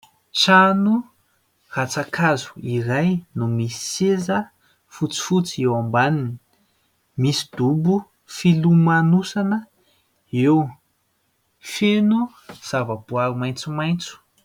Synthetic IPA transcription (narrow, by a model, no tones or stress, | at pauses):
ʃanu | rat͡sakʰazu̥iɾajnumisi̥sezə | fut͡si̥fut͡siewambanini̥ | misi̥d̪ubu | filumanusanə | ew | fenu | z̥avəb̥uaɾumajnt͡sumajnt͡su̥